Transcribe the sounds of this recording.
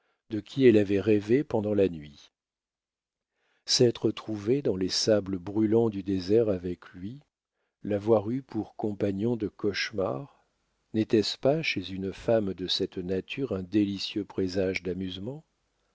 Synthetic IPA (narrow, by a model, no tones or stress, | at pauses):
d̪əkʲʰiɛlavɛʁɛvepɑ̃d̪ɑ̃lanɥi | sɛt̪χət̪χuved̪ɑ̃lesabləbʁylɑ̃d̪yd̪ezɛʁavɛklɥi | lavwaʁypʰuʁkɔ̃paɲɔ̃d̪əkɔʃma̰ʁ | nɛt̪ɛspaʃezynfamd̪əsɛt̪nat̪ʰyʁɛ̃d̪elisjøpχezaʒd̪amyzmɑ̃